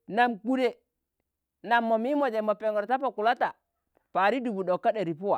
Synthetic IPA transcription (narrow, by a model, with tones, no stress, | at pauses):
na˨mɡu˨de˨ | na˨mːo˨mi˦mo˨d͡ʒe˨mo˨pe˨ŋɡɔ˨ɾta˦pa˨ku˨la˦ta˨ | pa˨ɾi˦du˨bu˨ɗo˨kːa˦ɗe˨ɾi˨pu˦wa̰˨